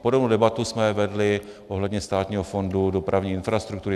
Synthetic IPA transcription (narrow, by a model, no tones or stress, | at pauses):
podobnowdɛbat̪usmɛvɛdlɪʔoɦlɛdɲɛst̪aːt̪ɲiːɦofo̞ndudopɾʔavɲiːɪnfɾast̪ɾukt̪uɾɪ